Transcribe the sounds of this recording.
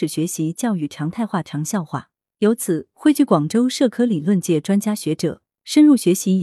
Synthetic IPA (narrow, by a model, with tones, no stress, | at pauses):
ɻ̩˨˩ɕɥɛ˧˥ɕi˧˥t͡ɕjɑ˥˧ʊy˨˩ʈ͡ʂʰɑ˧˥ŋt̪ʰa˥˧ɪxwa˥˩ʈ͡ʂʰɑ˧˥ŋɕjɑ˥˧ʊxwa̰˥˩ | jo˧˥ʊt͡sʰɹ̩˨˩˦xwe˥˧ɪt͡ɕy˥˩kwɑ˨˩ŋʈ͡ʂo˥ʊʂɤ˥˩kʰɤ˥li˨˩lwə˥˧nt͡ɕjɛ˥˩ʈ͡ʂwa˥nt͡ɕja˥ɕɥɛ˧˥ʈ͡ʂɤ˨˩˦ | ʂə˥nɻu˥˩ɕɥɛ˧˥ɕi˧˥